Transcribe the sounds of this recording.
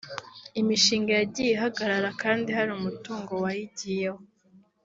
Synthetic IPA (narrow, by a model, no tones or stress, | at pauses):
imiʃiːŋɡejaɟijeɦaɡaɾaɾakaːndihaɾimutuːŋɡo̞wajiɟijeho